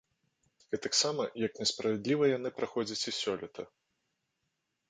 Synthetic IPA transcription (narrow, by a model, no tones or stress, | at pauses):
ɛt̪aksamɐjɐknʲɛspɾɐvʲɛd̪lʲivɐjanɨpɾaxɔd͡zʲɐt͡sʲisʲɔlʲit̪ʰɐ